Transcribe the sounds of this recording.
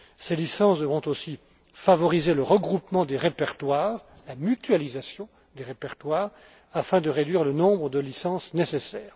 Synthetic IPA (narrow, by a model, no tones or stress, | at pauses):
selisɑ̃svɔ̃t̪osi | favɔʁizeləʁəɡʁupmɑ̃d̪eʁepɛʁt̪waːʁ | lamyt̪ɥalizasjɔ̃ | d̪eʁepɛʁt̪waːʁ | afɛ̃d̪əʁed̪ɥiʁlənɔ̃bʁəd̪əlisɑ̃snesesɛːʁ